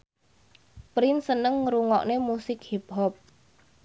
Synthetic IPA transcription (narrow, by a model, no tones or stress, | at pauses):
pɾinsənəŋɾuŋɔ̰ʔnemusɪk̚hip̚hɔp̚